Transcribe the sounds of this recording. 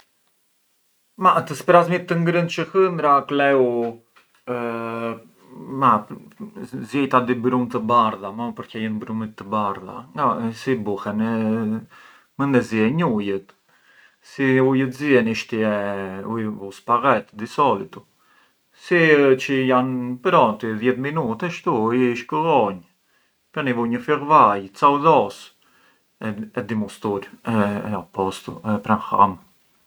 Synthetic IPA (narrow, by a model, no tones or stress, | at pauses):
mat̪əspɾazmit̪ːəŋɡɾənt͡ʃəhənd̪ɾaklɛu | ma | zɛjt̪ad̪ibɾumt̪əbaɾðaməpəɾkɛjənbɾumit̪ːəbaɾða̰ŋɡasibuhɛnɛ | mənd̪ɛziɛɲujət̪ | siujət̪ziɛniʃt̪iɛujvusparɛt̪d̪isɔlit̪u | sit͡ʃəjanpəɾɔnt̪iðjɛt̪minut̪ɛʃt̪uiʃkəlɔɲ | pənivuɲəfirvajt͡sawðɔs | ɛɛd̪imust̪uɾɛapɔst̪ṵɛpɾanha̰m